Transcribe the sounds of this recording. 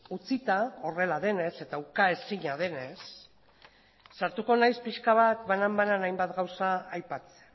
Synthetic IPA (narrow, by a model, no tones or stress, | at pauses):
ut͡sit̪ao̞re̞lað̞e̞ne̞se̞t̪aukae̞siɲað̞e̞ne̞s | aɾt̪uko̞najspiʃkaβat̪βanambananajmbat̪ɡawsaːjpat͡sea